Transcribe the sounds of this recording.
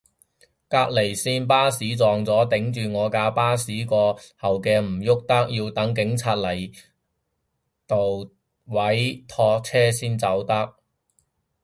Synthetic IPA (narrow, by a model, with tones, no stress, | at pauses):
kaː˧k̚le˨˩jsiː˥np̬aː˥siː˨˥t͡sɔː˨˩ŋt͡sɔː˨˥t̪ɪ˨˥ŋt͡ʃyː˨ŋɔː˨˧kaː˧paː˥siː˨˥kɔː˧hɐ˨wkɛː˧m̩˨˩jʊ˥k̚t̪ɐ˥k̚jiː˧wt̪ɐ˨˥ŋk̬ɪ˨˥ŋt͡sʰaː˧t̚lɐ˨˩j | t̪o˨w | wɐ˨˥jt̪ʰɔː˧k̚t͡sʰɛː˥siː˥nt͡sɐ˨˥wt̪ɐ˥k̚